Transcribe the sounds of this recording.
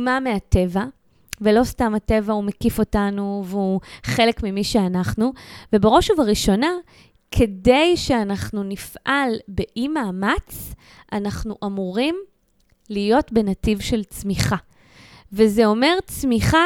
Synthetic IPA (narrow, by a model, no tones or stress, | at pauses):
mameate̞va | velo̞stamate̞vaumekifo̞tanuveuχe̞le̞kmimiʃeanaχnuvebeʁo̞ʃuvaʁiʃo̞na | kʰe̞dejʃeanaχnunifʔalbe̞ʔimaːmat͡s | ʔanaχnuʔamuʁim | lijo̞tbe̞nativʃe̞lt͡smiχa | vezeo̞me̞ʁt͡smiχa